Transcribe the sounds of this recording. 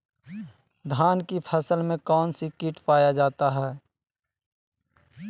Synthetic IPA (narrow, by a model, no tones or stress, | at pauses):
d̪ʱaːnkipʰəsəlmẽkɔːnsikiːʈpaːjad͡ʒaːt̪aɦɛː